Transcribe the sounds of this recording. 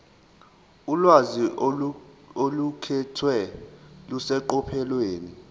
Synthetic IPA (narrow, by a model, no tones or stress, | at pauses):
ulwazi | olukʰɛtʰwɛlusɛǃɔpʰɛlweːni